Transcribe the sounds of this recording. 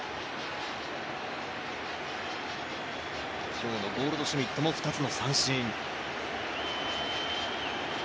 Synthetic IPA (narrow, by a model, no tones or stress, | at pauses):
ɕoːɯnoɡo̞ːɾɯ̟d̪o̞ɕimʲit̪ːomoɸɯ̥t̪at͡sɨno̞sãɰ̃ɕĩn